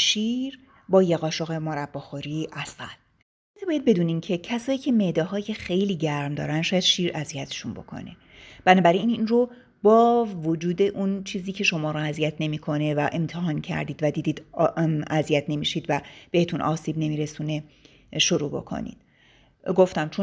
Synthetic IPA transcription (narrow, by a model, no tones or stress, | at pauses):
ʃiːɾ | bɒːjeɣɒːʃoɣe̞moɾæbːɒxoɾiːʔæsæ̰l | ebɒːjæd̪̚be̞d̪uːniːncʰe̞cʰæsɒːjiːcʰe̞me̞ʔd̪ɒɦɒːjexe̞jliːɟæɾmd̪ɒ̰ːɾænʃɒːjæd̪̥ʃiːɾʔæzijæt̪ʰe̥ʃunbo̞̰kʰo̞̰ne̞̰ | b̥ænɒːbæɾiiːninro | bɒːvod͡ʒuːd̪e̞ʔunt͡ʃʰiːziːcʰe̞ʃo̞mɒːɾoæzijæt̪ʰne̞miːkʰo̞ne̞væʔe̞mt̪ʰeɦɒːncʰæ̰ɾd̪iːd̪væd̪iːd̪iːd̪ | æzijæt̪ʰne̞miːʃiːd̪væb̥e̞het̪ʰunʔɒ̰ːsiːbne̞miːɾesuːne | ʃoɾṵːbo̞̰kʰo̰nḭːd̪̥ | ɡo̞ft̪æmt͡ʃʰon